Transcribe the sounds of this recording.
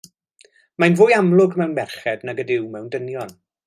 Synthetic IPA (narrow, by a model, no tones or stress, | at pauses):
majnvʊːjamlˠʊɡmɛwnmɛrχɛdnaɡədɪwmɛwndənjɔn